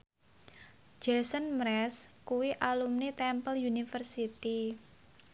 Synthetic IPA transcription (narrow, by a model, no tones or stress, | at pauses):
d͡ʒɛsənmɾɛskuwiʔalumnit̪ɛmpəljunifərsit̪i